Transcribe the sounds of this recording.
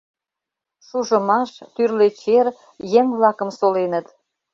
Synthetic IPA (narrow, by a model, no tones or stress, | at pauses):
ʃuʒə̆mɑʃt̪yrlet͡ɕer | jeŋβlɑkə̆msolenət̪